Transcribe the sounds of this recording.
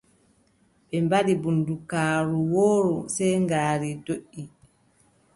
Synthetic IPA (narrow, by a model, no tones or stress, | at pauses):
ɓɛmbaɗibundukaːɾuwoːɾusɛjŋɡaːɾidoʔːi